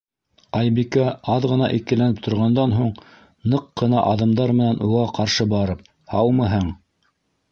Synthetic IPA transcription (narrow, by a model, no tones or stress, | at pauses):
ɑjbikæɑðʁɤ̆nɑʔikɘ̆lænɘp̚t̪ʰŏɾʁɑnd̪ɑnɦuɴ | nɤqːɤ̆nɑ̰ʔɑðɤ̆md̪ɑɾmɘ̆nænʔuʁɑqɑɾʃɤbɑɾɤp̚ | hɑwmɤɦɤɴ